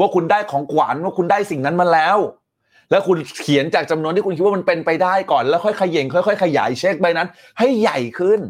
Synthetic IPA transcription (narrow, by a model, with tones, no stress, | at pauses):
waː˥˩kʰu˧ndaː˥˩jkʰɔː˩˦ŋkwa̰ː˩˦nwaː˥˩ku˧ndaː˥˩jsi˨˩ŋna˦˥nma˧nlɛː˦˥w | lɛː˦˥wkʰu˧nkʰi˩˦ənt͡ɕaː˨˩k̚t͡ɕa˧mnu˧əniː˥˩˧u˧nkʰt̚wa˥ma˧npe˧npa˧jdaː˥˩jkɔː˨˩nlɛː˦˥wxʰɔ˥˩jkʰa˧jːe˨˩˦ŋkʰɔ˥˩jkʰɔ˥˩jkʰa˧ja̰ː˩˦jt͡ɕʰe˦˥˩k̚ba˧jna˦˥n | ha˥˩jːa˨˩jkʰɯ˥˩n